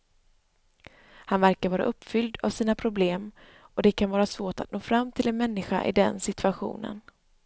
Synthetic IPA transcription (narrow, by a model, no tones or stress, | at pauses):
hanvæɾkaɾvɑːɾaʔɵpːfʏld̪a̰v̥siːnapʰɾʊbleːm | ɔd̪ɛkʰanvɑːɾasvoːʈat̪̚noːfɾamːt̪ʰɪlɛnmɛnːɪɧa̰ʔɪ̰d̪ɛ̰nsɪt̪ʰɵaɧṵːnə̰n